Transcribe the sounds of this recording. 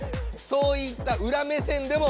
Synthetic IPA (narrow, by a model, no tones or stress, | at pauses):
so̞ːit̪ːaʔɯ̟ɾame̞sẽ̞nd̪e̞mo